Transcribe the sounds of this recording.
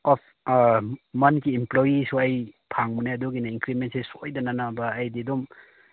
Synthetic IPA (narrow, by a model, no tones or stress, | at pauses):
ɔp̚ʰ | mɐnkiːmplojisuɐjpʰaŋmunajɐduɡinaiŋkɾimentsesojdananabɐːjdidum